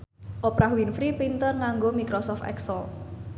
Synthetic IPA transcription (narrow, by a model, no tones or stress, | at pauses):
ʔopɾahwinfɾipint̪ərŋaŋɡomikɾosɔft̪ɛ̰ksəl